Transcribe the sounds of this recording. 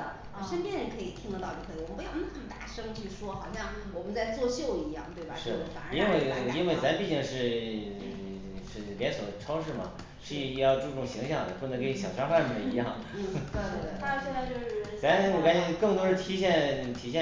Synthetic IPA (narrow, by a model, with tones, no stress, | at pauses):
ʂə˥npjɛ˥nɻə˧˥kʰɤ˧˥i˨˩t̪ʰi˥ŋd̪ə˧t̪ɑ˥˧ʊt͡ɕjo˥˩kʰɔ˩wɔ˨˩pjk̪ʰə˨˥˩ŋt̪a˥˩ʂɤ˥ŋt͡ɕʰy˥˩ʂwɔ˥xɑ˨˩ʊɕjɑ˥˩ŋ | wɔ˨˩mə˦nt͡sa˥˧ɪt͡swɔ˥˧ɕjo˥˩ʊi˧˥jɑ˥˩ŋt̪we˥˩ɪbɐ˨˩ʂɻ̩˥˩˥fa̰˨˩i˥nwe˥˩ɪ˩i˥nwe˥˩ɪt͡sa˧˥mpi˥˧˩t͡ɕi˥˧ŋʂɻ̩˥˧ | ʂɻ̩˥˩pjɛ˧˥nswɔ˨˩ʈ͡ʂʰɑ˥ʊʂɻ̩˥˩mɐ̰˩ | ʂɻ̩˥˧˩jɑ˥˧ʊʈ͡ʂu˥˧ʈ͡ʂʊ˥˩ŋɕi˧˥ŋɕjɑ˥˩ŋd̪ə˩pu˥˩nə˧˥˩ke˧˥ɕjɑ˨˩ʊʂa˥ŋxa˥˩˥mə˥˩i˧˥jɑ˥˩ŋ̩˥˩˥t̪ʰa˥ɕjɛ˥˧nt͡sa˥˧ɪt͡ɕjo˥˧ʊʂɻ̩˥˧˥t͡sa˧˥nwɔ˨˩ka˥n˥kɤ˥˩ŋt̪wɔ˥ɻə˥˩t̪ʰi˧˥ɕjɛ˥˧nt̪ʰi˧˥ɕjɛ˥˧˩